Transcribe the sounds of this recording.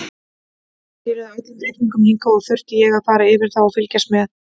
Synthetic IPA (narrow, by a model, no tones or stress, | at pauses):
θɪɾɪðaːjt̪ɪnt̪ɾeːjt̪niŋkʏmhiŋkaɔɣθœr̥t̪ɪjɛɣaðfaːɾaɪvɪɾ̥θawɔfɪlcasmɛð